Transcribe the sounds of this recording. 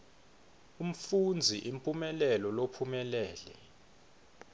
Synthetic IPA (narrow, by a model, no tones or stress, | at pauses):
um̩fund͡zʱiʔimpʼumɛlɛlɔlopʰumɛlɛːlɛ